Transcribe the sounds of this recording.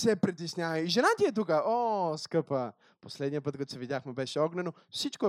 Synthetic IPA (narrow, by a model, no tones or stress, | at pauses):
sɛpɾit̪isnʲavɐiʒɛnat̪ʲiɛt̪̬ukəɔskɤpə | poslɛd̪nijəpət̪̚kɐt̪o̥sɛvid̪ʲaxmɛbɛʃɛɔɡnɛno | fsit͡ʃkoɛ